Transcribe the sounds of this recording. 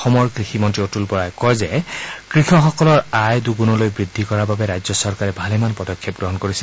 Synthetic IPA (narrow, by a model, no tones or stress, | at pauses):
xɔmɔɹkɹiximɔntɹiotulpɔɹajkɔjzɛkɹixɔxɔkɔlɔɹajduɡunɔlojbɹid̪ʱːikɔɹababɛɹajzɔsɔɹkaɹɛbʱalɛmanpɔdɔkʰːjɔp̚ɡɹɔɦɔnkoɹisl